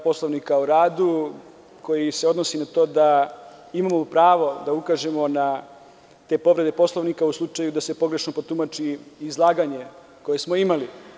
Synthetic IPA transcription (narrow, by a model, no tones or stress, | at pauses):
po̞slˠoʋnikauɾaːd̪u | ko̞jise̞o̞d̪nosinat̪o̞ːd̪a | imamopɾaːʋo̞d̪aukaʒe̞mo̞na | t̪e̞ːpo̞ʋɾe̞d̪e̞po̞slˠoʋnikauslˠut͡ʂajud̪ase̞po̞ɡɾe̞ʃnopot̪umat͡ʃiːzlˠaːɡaɲe̞ | ko̞jesmoimali